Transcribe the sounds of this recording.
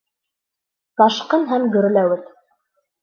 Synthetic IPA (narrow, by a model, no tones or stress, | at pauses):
t̪ɑʃqɤnɦæmɡɵ̆ɾlæwɘt̪